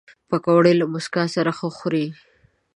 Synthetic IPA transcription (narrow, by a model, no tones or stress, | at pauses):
pakawɽelmʊskɑsaɾaxəxɾi